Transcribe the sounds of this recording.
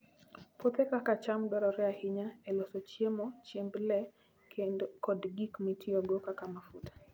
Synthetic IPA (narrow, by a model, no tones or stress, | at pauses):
pot̪ɛkakat͡ʃamdɔɾɔɾɛahɪɲaɛlɔsɔt͡ʃjemɔt͡ʃemblɛ | kɔdɡikmitʰɪoɡokakamafutḁ